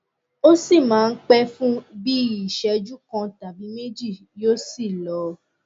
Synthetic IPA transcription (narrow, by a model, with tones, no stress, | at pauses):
o˦si˦˨mãː˨˦˧n̩˦k͡pɛ˦fũ˦bi˦i˦˨ʃɛ˨˦d͡ʒu˦kɔ̃˧ta˨bi˨˦me˦d͡ʒi˦˨ | jo˦si˦˨lɔ˨